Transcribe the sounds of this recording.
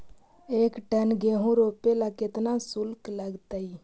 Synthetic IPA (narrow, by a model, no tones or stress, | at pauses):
eːkʈənɡeːɦũɾoːpelakɪt̪nasʊlkləɡt̪ai